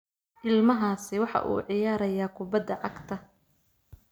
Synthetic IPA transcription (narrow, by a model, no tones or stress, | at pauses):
ʔɪlmɐɦaːsɪwɑħɑ̰ʔṵːʕɪjaːɾɐjaːkʰʊbɐd̪ːɐʕɑɡt̪ʰɐ